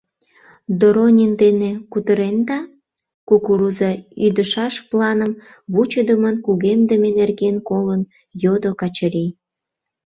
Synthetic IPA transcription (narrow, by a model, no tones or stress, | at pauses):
d̪oɾonʲind̪enekut̪əɾend̪ɑ | kukuɾuzɑyd̪əʃɑʃplɑnəm | βut͡ɕəd̪əmənkuɣemd̪əmenerɣenkolən | jod̪okɑt͡ɕəɾi